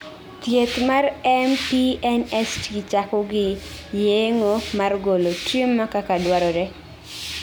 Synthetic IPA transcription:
t̪jet̪marɛmpiɛnɛsɡɪt͡ʃakɔɡɪjeŋomarɡolotɾjemːakakadwaɾɔɾɛ

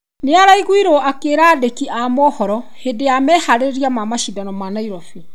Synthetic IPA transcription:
neaɾaiɣwiɾoakeɾaːdekiamɔhɔɾɔ | hedeamɛhaɾeɾijamamaʃidanɔmanaiɾɔfi

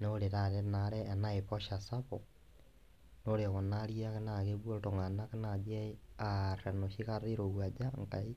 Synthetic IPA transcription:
noɾeɾaɾɛnaɾɛːnaepɔʃasapɔ | noɾeɣɔnaɾiakenaɣeβwootoŋɡanakenad͡ʒɛaɾɛnoʃiɣaɾeɾoɣwad͡ʒaŋkai

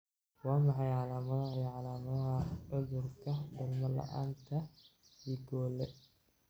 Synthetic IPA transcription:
wɑːmɑħɑjʕɑlaːmɐðɐɦʕɑlaːmɐðɐɦɐʊðʊrkʰɐdɐlmɐlɐ̰ʔa̰ːnt̪ʰɐiːɡɔːlɛ

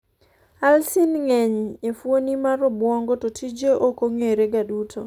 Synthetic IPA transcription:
alsinŋeɲefwonimaɾɔbwɔŋɡɔtotʰid͡ʒeʔokoŋeɾeɡadutʰo

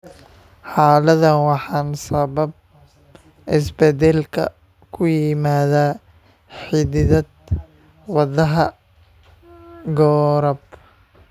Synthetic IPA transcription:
ħɑːlɐðɐnwɑħɑːnsɐβɐb̚ | ɪsbɛd̪ɛlkʰɐ̰ | kʰʊjɪmaːðaː | ħɪðɪðɐd̪̚ | wɑðɐɦɐ | ɡɔːɾɐb

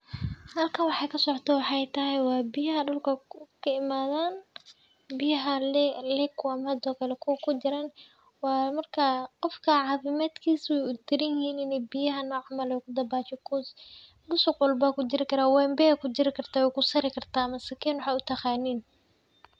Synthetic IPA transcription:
hɐlkʰɐwɑħɑjkʰɐsɔʕt̪ʰɔwɑħɑɛjt̪ʰɐɦɛjwɑːbɪjɐɦɐɖʊlkʰɐkʰɐɪmaːðaːn | bɪjɐɦɐlɛlɛkʰʊɐmɐhɐd̪ɔːkʰɐlɛkʰukʰʊd͡ʒɪɾaːn | wɑːmɐrkʰɐqɔfkʰɐʕɑːfɪmaːd̪kʰiːswɛjʊt̪ɪɾɪjɪhiːnɪnɛbɪjɐɦɐnɔːʕɑmɐlɛjkʰʊd̪ɐbaːt͡ʃɛkʰɔs | bʊsʊqwɔlbaːkʊd͡ʒɪɾɪkʰɐɾaːwɛmbɛɛkʰʊd͡ʒɪɾɪkʰɐrt̪ʰaːwɛjkʊsɐɾɪkʰɐrt̪ʰaːmɐsɐkʰiːnwʊħaʊt̪ʰɐχaːniːn

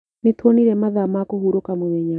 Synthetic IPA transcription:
net̪woniɾɛmaðamakɔhuɾokamomɛɲa

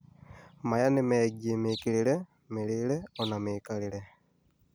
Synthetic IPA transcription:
majanimeɟimikilile | milileonamiːkalile

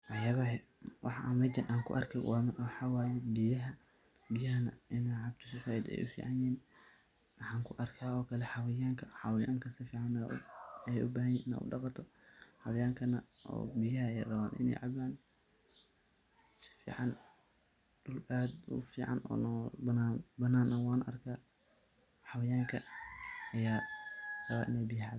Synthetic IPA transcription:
wɑjɐɣɐɦɛ | wʔɑ̰ħamɛd͡ʒɐnʔaːŋkʰʊʔɐ̰rkʰɛwɑmwɑħɑːwaːjɛbɪjɐɦɐ | bɪjɐɦɐnɐ̰ʔɪnɛʕɑb̚t̪ʰʊsɪfaːjɪd̪ɛ̰jʔʊfḭːʕɑnjɛːn | ʔɑħɑːŋkʰʊʔɐrkʰaːɔːkʰɐlɛħɑwɪjaːŋkʰɐħɑwjaːŋkʰɐsɪfiːʕɑn | ɛjʔʊbaːɦɐjɛnɪna̰ʔʊ̰ɖɑqɑt̪ʰɔħɑwɪjaːŋkʰɐnɐʔɔ̰ːbɪjɐɦɐɛjrɐβaːnʔɪ̰nɛ̰jʕɑβaːn | sɪ̥fḭːʕɑn | ɖʊlaːd̪ʊ̰fiːʕɑ̰nɔ̰ːnɔbɐnaːnbɐnaːnʔɐwaːnʔɐ̰rkʰaː | ħɑwɐjaːŋkʰɐ | ɐjaːrɐβaːnʔɪ̰nɛjbɪjɐʕɑb

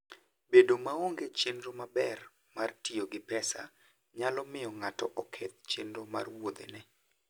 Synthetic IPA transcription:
bedomaoŋɡet͡ʃenɾomabɛr | martioɡɪpɛsa̰ | ɲalɔmɪɔŋatɔʔɔkʰet̪̚t͡ʃendɾoma̰rwod̪ḛnɛ

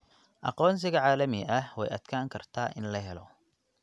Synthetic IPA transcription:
ʔɑ̰qɔːns̬ɪɣɐʕaːlɐmɪʔɐhwɛ̰jɐ̰d̪̥kʰaːŋkʰɐrt̪ʰaːʔɪnlɐɦɛlɔ

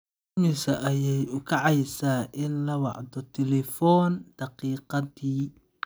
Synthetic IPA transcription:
mɪsɐʔɐjɛjʊkʰɑʕɑjsaːʔɪnlɐwɑʕd̪ɔt̪ʰɛlɛfɔːnd̪̥ɑqiːqɑðiː

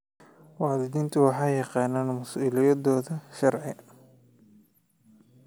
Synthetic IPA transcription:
wɑːðɪd̪iːnt̪ʰʊwɑħɑːjɑqɑːnaːnmʊsuːlɪjɐðɔːðɐʃɐrʕɪ

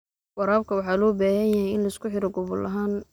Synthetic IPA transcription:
wɑɾaːbkʰɐwɑħɑːlɔːbaːhɐnjɐɦɛjɪnlɐɪskʰʊħɪɾɔɡɔβʊlʔɐɦaːn

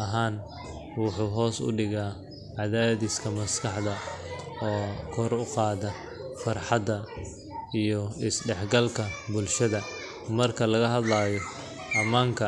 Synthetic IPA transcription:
ɐɦaːn | wʊħuːɦɔːsʊ̰ɖɪɣaː | ʕɑðaːðɪskʰɐmɐskʰɑħd̪ɐɔːkʰɔɾʊqɑːðɐ | fɑrħɑd̪ɐ | ijɔɪsɖɛħɡɐlkʰɐbʊlʃɐðɐ | mɐrkʰɐlɐɣɐɦɐd̪laːjɔ | ʔɐmaːŋkʰɐ

